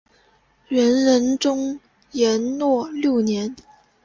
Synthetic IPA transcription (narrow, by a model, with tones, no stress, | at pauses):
ɥɛ˧˥nɻə˧˥nʈ͡ʂʊ˥ŋ | jɛ˧˥nnwɔ˥˧˩ljo˥˩ʊnjɛ˧˥n